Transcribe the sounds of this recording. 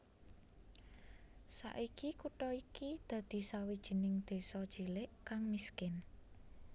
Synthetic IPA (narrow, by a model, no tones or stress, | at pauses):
sa̰ʔikikuʈɔikid̪̥ä̤d̪̥i̤sawid̥ʒ̥i̤nɪŋd̪̥e̤sɔd̥ʒ̥ilɪʔkaŋmiskɪn